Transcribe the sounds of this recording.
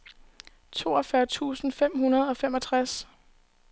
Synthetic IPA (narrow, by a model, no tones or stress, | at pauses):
t͡sʰo̝̰ːɒ̽fɶɐt͡sʰṵːsn̩fem̰hunɐð̞̩ˠɒ̽femɒ̽t͡sʰʁas